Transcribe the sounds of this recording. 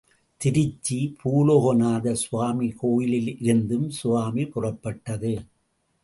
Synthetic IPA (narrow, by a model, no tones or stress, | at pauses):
t̪ɪɾɪt͡ʃːipʰuːloːɣonaːðɐsʊʋaːmikoːjɪlɪlɪɾɯnd̪ɯmsʊʋaːmipʊrɐpːɐʈːɐðɯ